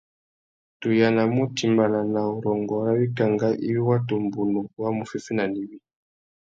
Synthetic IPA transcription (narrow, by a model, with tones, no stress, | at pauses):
tu˨ja˨na˨mu˦ti˨mba˨na˨na˨u˨ɾɔ˨ŋɡɔ˨˦ɾa˦βi˦ka˨ŋɡa˦ʔḭ˦βi˦wa˦tu˨mbu˨nɔ˨wa˦mu˨fi˦fi˦na˨ni˨βi˦